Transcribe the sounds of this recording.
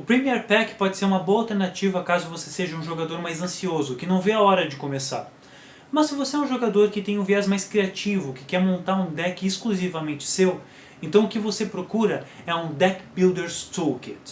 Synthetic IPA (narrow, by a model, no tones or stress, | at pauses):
ʊpɾimiɛɾpɛkpɔd͡ʒɪseɾũmɐboɐalˠt̪eɾnat͡ʃivɐkazʊvoseseʒɐũʒoɡad̪oɾmajzɐ̃siozʊkɪnɐ̃w̃vejaɔɾɐd͡ʒɪkomesa̰ɾ | mɐssɪvoseɛũʒoɡad̪oɾkɪt̪ẽj̃ũviɛzmajskɾiat͡ʃivʊkɪ̥kɛɾmõnt̪aɾũd̪ɛkɪeskluzivɐmẽnt͡ʃɪ̥sew | ẽnt̪ɐ̃w̃ʊkɪvosepɾokuɾɐɛũd̪ɛkbild̪eɾst̪uket̪